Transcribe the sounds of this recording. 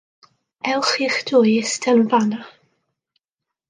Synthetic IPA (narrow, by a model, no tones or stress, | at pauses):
ɛlˠχiχdʊjɪstʰɛnvana